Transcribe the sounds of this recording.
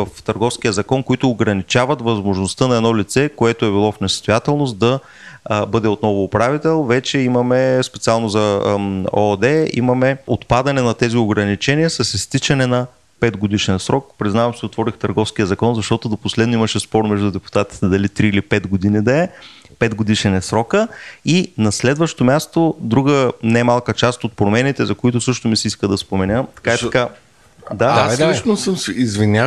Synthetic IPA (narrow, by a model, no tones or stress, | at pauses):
əft̪əɾɡɔfskijəzɐkɔnkoit̪ʊːɡɾɐnit͡ʃavɐt̪vɐzmoʒnost̪ənɐɛd̪nɔlit̪sɛkoɛt̪oɛbilˠɔfnɛsst̪ojat̪ɛlˠnost̪̚d̪ɐ | bɤd̪ɛot̪nɔvʊːpɾavit̪ɛlˠvɛt͡ʃɛimɐmɛspɛ̥t̪sialˠnozɐ | od̪ɛḭmɐmɛot̪pad̪ɐnɛnɐt̪ɛzioɡɾɐnit͡ʃɛniəsɐsist̪it͡ʃɐnɛnɐ | pɛd̪ɡod̪iʃɛnsɾɔk̚pɾiznavɐmsiot̪vɔɾixt̪əɾɡɔfskijəzɐkɔnzɐʃt̪ɔt̪ʊd̪oposlɛd̪noiməʃɛspɔɾmɛʒd̪ʊd̪ɛpu̥t̪at̪i̥t̪ɛd̪ɐlit̪ɾiːlipɛd̪ɡod̪inid̪ɐɛ | pɛd̪ɡod̪iʃɛnɛsɾɔkəinɐslɛd̪vəʃt̪omʲjast̪od̪ɾuɡənamalˠkət͡ʃast̪ot̪̚pɾomɛnit̪ɛzɐkʊit̪ʊsɤʃt̪omisɛiskəd̪ɐspomɛnʲət̪ɐ̥kaɛka | d̪ait͡ʃnosəmizvinʲa